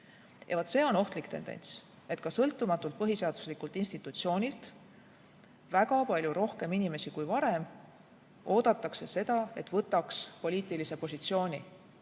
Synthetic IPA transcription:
jɑ̰vɑt̪se̞ːo̞no̞ht̪likt̪e̞̰nd̪ḛnʲt̪s | e̞t̪kɑsɤlt̪ːˑumɑt̪ːˑult̪̚pɤɦise̞ɑd̪̥u̥slikult̪ˑinst̪it̪ːˑut̪sio̞ːnʲilt̪ | væɡɑpɑlʲjuɾo̞hke̞minime̞sikujvɑɾe̞m | ʔo̞ːd̪̥ɑt̪ːˑɑkse̞se̞d̪̥ɑe̞t̪vɤt̪ːˑɑkspolʲiːt̪ˑilise̞po̞sit̪sio̞ːnʲi

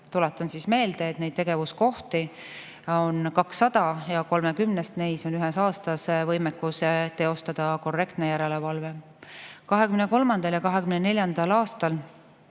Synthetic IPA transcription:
t̪ulet̪ːˑɑnsisme̞ːld̪eːt̪nejd̪t̪eɡ̥e̞vusko̞ht̪i | o̞nkɑksːɑd̪̥ɑjɑko̞lmekymnest̪nejso̞nyɦɛsɑːst̪ɑsvɤjmekːust̪ːe̞o̞st̪ɑd̪̥ɑko̞rːe̞kt̪nejæɾele̞vɑlve̞ | kɑɦekymneko̞lmɑnd̪̥ɑljɑkɑɦekymnene̞lʲjɑnd̪̥ɑlɑːst̪ɑl

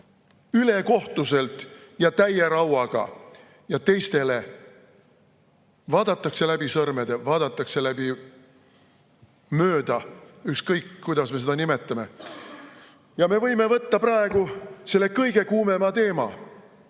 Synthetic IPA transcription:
yle̞ko̞ht̪use̞lt̪ˑjɑt̪æjeɾɑwɑɡ̥ɑ̰ | jɑt̪e̞jst̪e̞le | vɑːd̪̥ɑt̪ːˑɑkse̞læbisɤrmed̪evɑːd̪̥ɑt̪ːˑɑkse̞læb̥i | mø̞ːd̪ɑykskɤjkkːujd̪ɑsme̞s̬ed̪ɑnime̞t̪ˑːɑme̞ | jɑme̞vɤ̞jme̞vɤt̪ːɑprɑe̞ɡ̥use̞lːe̞kɤjɡ̥e̞kuːme̞mɑt̪e̞ːmɑ̰

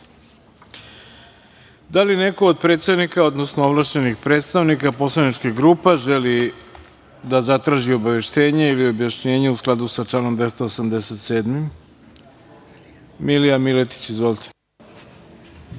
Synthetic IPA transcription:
d̪aline̞ko̞ːd̪̚pɾe̞t̪st̪evnikao̞d̪nosnooʋlˠaʃt͡ɕenixpɾeːt̪st̪aʋnikapo̞slˠanit͡ʃkiɡɾuːpeʒeli | d̪azat̪ɾaːʒio̞baʋe̞ʃt̪e̞ːɲeilio̞bjaʃɲe̞ːɲeusklˠad̪usat͡ʃlano̞md̪ʋe̞st̪oosamd̪ese̞t̪se̞ːd̪mim | milijamilet̪i̥t͡ɕizʋolʲt̪e̥

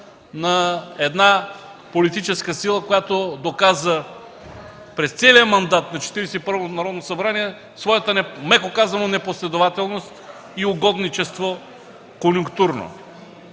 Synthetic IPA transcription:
nɐɛd̪na | polit̪it͡ʃɛskəsilˠəkojat̪od̪okazə | pɾɛst̪sɛliəmɐnd̪at̪nɐt͡ʃɛ̥t̪iɾɛsɛipɤɾvonɐɾɔd̪nosɐbɾaniɛ | svɔjət̪ənɛmɛkokazɐnonɛposlɛd̪ovat̪ɛlˠnost̪ | iʊɡɔd̪nit͡ʃɛst̪vo | konʲjʊŋkt̪uɾno̰

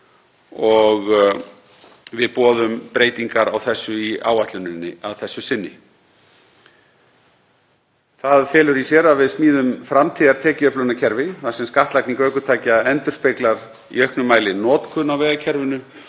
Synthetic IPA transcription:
ɔɣ | vɪðpɔːðʏmpɾeːjt̪iŋkaɾa̰wθɛsːʏia̰ːwaht̪lʏnɪnːɪ̰awθɛsːʏsɪnːɪ̰ | θaðfɛːlʏɾisjɛːɾavɪðsmiːðʏmfɾamt̪ʰiːðaɾ̥t̪ʰɛːcɪœplʏnacʰɛɾvɪθḁsɛmskaht̪lakniŋkœɥkʏt̪ʰaːjcaɛnt̪ʏɾ̥spejklaɾ | ḭœhknʏmaːjlɪnɔːt̪kʰʏnawvɛːɣacʰɛɾvʏnʏ

